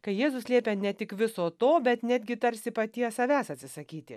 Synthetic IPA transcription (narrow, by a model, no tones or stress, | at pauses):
kɐɪjeːzʊsʲlʲiɛpʲenʲɛt̪ʲɪkʋʲɪsoːt̪oːbʲɛt̪nʲæːd̪ʲɡʲɪt̪ɐɾʲsʲɪpɐt̪ʲiɛsɐʋʲæːsɐt̪ʲsʲɪsɐkʲiːt̪ʲɪ̰